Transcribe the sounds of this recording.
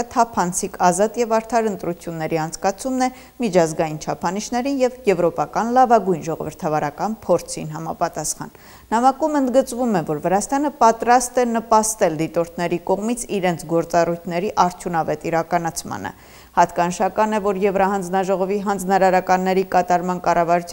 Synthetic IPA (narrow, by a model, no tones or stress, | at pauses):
t̪ʰɑpʰɑnt͡sʰikʰɑzɑt̪jɛvɑɾt̪ʰɑɾənt̪ɾut͡sʰjunːɛɾiɑnt͡sʰkɑt͡sʰumnɛ | mit͡ʃʰɑzɡɑjint͡ʃʰɑpʰɑniʃnɛɾinjɛvjɛvɾɔpɑkɑnlɑvɑɡujnʒɔʁɔ̰vəɾt̪ʰɑvɑɾɑkɑnpʰɔɾt͡sʰḭnɦɑmɑpɑt̪ɑsχɑ̰n | nɑmɑkumənd̪ɡət͡svumɛvɔɾvəɾɑst̪ɑnəpɑt̪ɾɑst̪ɛnəpɑst̪ɛld̪it̪ɔɾt̪ʰnɛɾikɔʁmit͡sʰiɾɛnt͡sʰɡɔɾt͡sɑrujt̪ʰnɛɾiʔɑɾt̪ʰjunɑvɛt̪iɾɑkɑnɑt͡sʰmɑ̰nə̰ | hɑt̪kɑnəʃɑkɑnɛvɔɾjɛvɾɑɦɑnd͡znɑʒɔʁɔviɦɑnd͡znɑɾɑɾɑkɑnːɛɾikɑt̪ɑɾmɑnkɑrɑvɑɾut͡sʰ